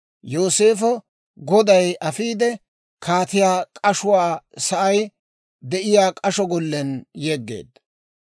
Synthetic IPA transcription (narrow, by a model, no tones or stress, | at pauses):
jo̞ːse̞ːfɔ | ɡɔd̪ɐjʔɐfiːd̪ɛ | kʰaːt̪ɪjaːkʼɐʃʊwaːsɐʔɐj | d̪ɛʔɪjaːkʼɐʃɔɡɔlːɛnjeːɡːḛːd̪